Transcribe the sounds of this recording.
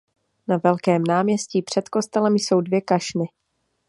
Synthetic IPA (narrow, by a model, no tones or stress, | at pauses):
navɛlkɛːmnaːmɲɛsciːpr̝̥ɛt̪ko̞st̪ɛlɛmjso̞wdvjɛkaʃnɪ